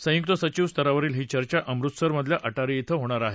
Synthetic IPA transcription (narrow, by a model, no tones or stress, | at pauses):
sə̃juk̚t̪əsət͡ɕiʋst̪əɾaʋəɾiːlɦiːt͡ɕəɾt͡ɕaʔəmɾut̪səɾməd̪ʱljaʔəʈaɾiet̪ʰəɦoɽ̃aɾaɦe